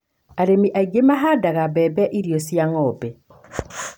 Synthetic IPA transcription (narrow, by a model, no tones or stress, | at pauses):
aɾemiʔaiɡemaɦadaɣabɛbɛʔiɾjɔsjaŋɔbɛ